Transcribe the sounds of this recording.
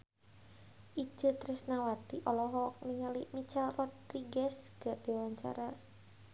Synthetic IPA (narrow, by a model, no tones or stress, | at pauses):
ʔi̥d͡ʒ̥ət̪ɾɛsnawat̪iʔɔlɔɦɔk̚niŋalimit͡ʃarɔd̪riɡɛsɡ̥aʔd̥iwaɲt͡ʃa̰ɾa